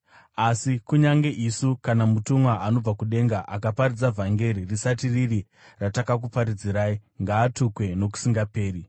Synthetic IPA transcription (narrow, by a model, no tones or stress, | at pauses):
asikuɲaŋɡe̞ʔisukanamutumwaano̞b͡vakuɗe̞ŋɡaʔakapaɾid͡zavʱaŋɡe̞ɾirisatiriri | ratakakupaɾid͡ziɾaːiŋɡaːtukwe̞no̞k̬u̥siŋɡape̞ːɾi